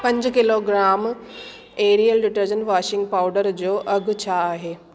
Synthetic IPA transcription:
pɐ̃ɲd͡ʑkɪloɡɾaːm | eːɾijəlɖɪʈəɾd͡ʑənʋaːʃɪ̃ŋɡpaːʊɖəɾd͡ʑoːʔɐɡʱt͡ɕʰaːɦeː

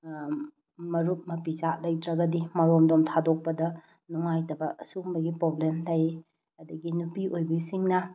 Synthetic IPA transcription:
mɐɾut̚mɐpizalɐjtɾɐɡɐdimɐɾomdomtʰadok̚pɐdɐ | nuŋajtɐbɐsumbɐɡipɾoblemtɐj | ɐdɐɡinupiʔojbɐisiŋnɐ

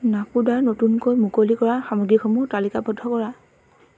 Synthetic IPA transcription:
napudaɹnotunkojmukolikɔɹaxamɔɡɹikɔmutalikabɔdʱːɔkɔɹa

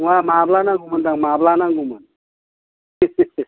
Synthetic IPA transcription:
wamaːblanaɡumənd̪aŋmablanaŋɡuman

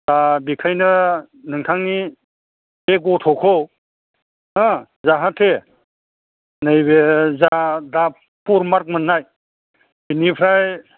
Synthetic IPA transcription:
dabikʰajnɯ | nɯŋtʰaŋni | beɡɔtʰɔkʰɔw | a | zaɦatʰe | nɯjbezada | pʰuɾmaɾk̚manːaj | binipʰɾaj

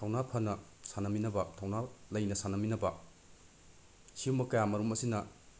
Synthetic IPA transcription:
tʰawnapʰɐnɐsanɐminɐbɐtʰawnalɐjnɐsanɐminɐbɐ | siwmɐkɐjamɐɾumɐsinɐ

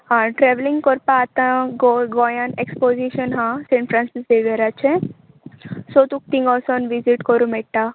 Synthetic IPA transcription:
ɦãʈɾeʋlĩŋɡkɔɾpaːt̪ãɡoɡɔjãnekspoziʃənɦãsẽɳʈfɾãnsisd̪eʋeɾat͡ʃʰẽ | sot̪uk̚t̪ĩŋɡɔsɔnʋiziʈkɔɾũmɛʈːa

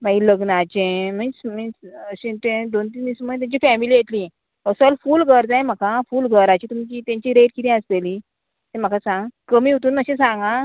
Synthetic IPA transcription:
maɡiləɡnat͡ɕẽm̤ənsm̤ənəɕẽt̪ẽd̪ont̪̬inismət̪̬jãɲt͡ɕifɛmilijet̪lĩ | əsəlfuːlɡʱəɾd͡zãjm̤akãfuːlɡʱəɾat͡ɕit̪umt͡ɕit̪ãɲt͡ɕiɾeʈkit̪ĩəsteli | t̪ɛ̃m̤akasãŋɡkəmiːut̪uːnməɕẽsãŋɡã

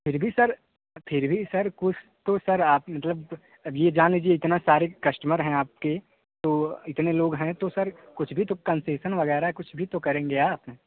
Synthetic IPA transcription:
pʰɪɾbʱisɐɾ | pʰɪɾbʱisɐɾkʊt͡ʃʰt̪osɐɾaːp̚mɐt̪ləb | jed͡ʒaːnliːd͡ʒieɪt̪nasaːɾekɐsʈəməɾɦɛ̃aːp̚ke | t̪oːɪt̪neloːɡɦɛ̃t̪osɐɾkʊt͡ʃʰbʱit̪okɐ̃nseːʃənʋɐɣɛːɾaɦɛkʊt͡ʃʰbʱit̪okɐɾẽːŋɡeaːpnẽː

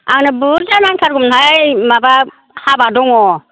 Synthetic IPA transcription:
aŋnɯbuɾzanankʰaɾɡumnhajmaba | habadɔŋɔ

